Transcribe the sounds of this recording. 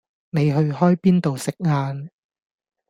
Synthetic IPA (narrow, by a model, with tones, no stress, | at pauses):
ne˨˧jɦɵ˧ɥhɔː˥jpiː˥nt̪o˨wsɪ˨k̚ŋaː˧n